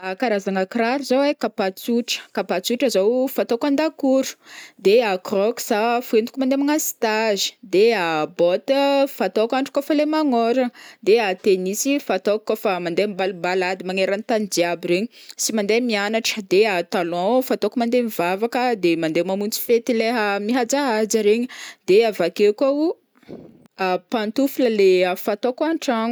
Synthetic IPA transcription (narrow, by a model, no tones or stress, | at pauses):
akaɾazaŋakraɾizowekapat͡suʈ͡ʂə̥kapat͡suʈ͡ʂəzowfat̪okand̪akuɾu̥d̪eakrɔksafuend̪ukumand̪emaŋasi̥t̪azi̥d̪eabɔt̪əfat̪okaɳʈ͡ʂu̥kofalemaŋɔɾəd̪eat̪enisifat̪okkofamand̪embalmbalad̪imaŋeɾant̪and͡ʒiabiɾeɲisimand̪emianaʈ͡ʂə̥d̪eat̪alɔ̃fat̪okumand̪emivavakəd̪emand̪emamunt͡si̥fet̪ileɦəmiɦad͡zaad͡ʒəɾeɲid̪̥eavakekau | apant̪ufuləleafat̪okaɳʈ͡ʂaŋu